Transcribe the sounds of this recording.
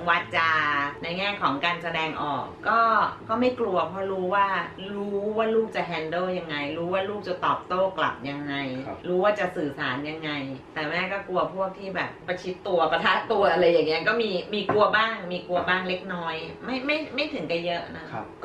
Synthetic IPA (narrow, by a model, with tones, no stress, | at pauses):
wa˦˧˥t̚t͡ɕaː˧na˧jŋɛː˥˩kʰɔː˩˦ŋkaː˧nsa˧dɛː˧ŋʔɔ̰ː˨˩kːɔː˥˩kɔː˥˩ma˥˩jklu˧ɐpʰɔː˦˧˥ɾuː˦˥waː˥˩ɾuː˦˥˦waː˥˩luː˥˩k̚t͡ɕa˨˩ɦɛː˧ndɤː˥˩ja˧ŋːa˧jɾuː˦˥waː˥˩luː˥˩k̚t͡ɕa˨˩t̪ɔː˨˩p̚t̪oː˥˩kla̰˨˩p̚ja˧ŋːa˧jɾuː˦˥waː˥˩t͡ɕa˨˩ʔsɯː˨˩saː˩˦nja˧ŋːa˧jt̪ɛː˨˩mɛː˧˥˩kɔː˥˩ku˧ɐpʰu˥˩ək̚t̪ʰiː˥˩bɛ̰ː˨˩p̚ːa˧t͡ɕʰi˦˥t̪ːu˧ɐpa˧t̪ʰaː˦˥t̪ːu˧ɐʔa˧ɾa˧jːaː˨˩ŋːi˦ɐkɔː˥˩miː˧miː˧ku˧ɐbaː˥˩ŋmiː˧ku˧ɐbaː˥˩ŋle˦˥k̚nɔː˦˥jma˥˩jma˥˩jma˥˩jt̪ʰɯ˨˩˦ŋka˧˩jɤ˦˥ʔna˦˥